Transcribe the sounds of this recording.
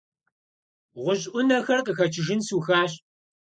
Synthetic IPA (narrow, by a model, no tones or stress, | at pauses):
ʁʷʊɕʼʔʷʊnɐxɐrqəxɐt͡ʃʰɪʒɪnsuːxaːɕ